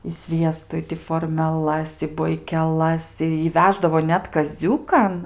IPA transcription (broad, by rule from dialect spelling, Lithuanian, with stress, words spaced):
ɪ ˈsʲʋʲiɛstʊ ɪ tʲɪ foːrʲmʲɛˈlˠɐs ɪ boːɪkʲɛˈlˠɐs ˈɪ ɪ ˈʋʲæːʒdɐʋoː ˈnʲɛt kɐˈzʲuːkɐn